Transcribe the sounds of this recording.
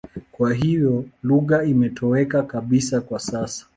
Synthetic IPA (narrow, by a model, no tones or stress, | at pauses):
kwaɦivjɔluɣaimɛtʰɔɛkakaɓisakwasasḁ